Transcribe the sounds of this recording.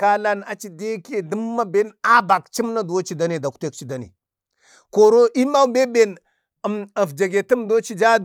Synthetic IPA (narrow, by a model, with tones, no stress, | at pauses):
ka˦la˦na˨t͡ʃi˨de˦ke˨də˦mːa˦be˦na˦ba˨kt͡ʃi˦mna˦do˦t͡ʃi˦da˦ne˨da˨kte˦k̚t͡ʃi˦da˨nḛ˨ | ko˨ɾo˦ʔi˦ma˦wbe˦be˨n | ə˨mə˨fd͡ʒa˨ɡe˨tə˦mdo˦t͡ʃi˦d͡ʒa˦d